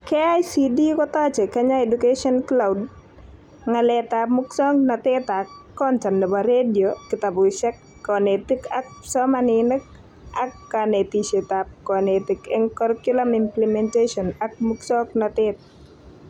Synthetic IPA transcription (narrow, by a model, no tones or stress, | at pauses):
keajsidikɔt̪ɔt͡ʃekɛɲaedukeʃɔnklawd | ŋalɛt̪amuksɔŋnɔt̪ɪt̪akːɔntannɔbaɾediokɪt̪abʊʃɛkːɔnet̪ikak̚sɔmanɪnək̚ | akːanet̪iʃet̪ap̚kɔnet̪ikɛŋkɔɾkjulamɪmplɛmɛnteʃɔnak̚muksɔknɔt̪ɪt̪̚